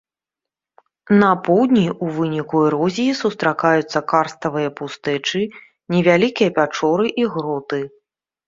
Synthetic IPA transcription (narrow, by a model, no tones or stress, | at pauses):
nɐpɔwd̪ʲnʲiʔuvɨnʲikuɛɾɔzʲijisust̪ɾakajut̪sːɐkarst̪ɐvɨjɐpust̪ɛt͡ʂɨ | nʲɛvʲalʲikʲijɐpʲat͡ʂɔɾɨʔiɣɾɔt̪ɨ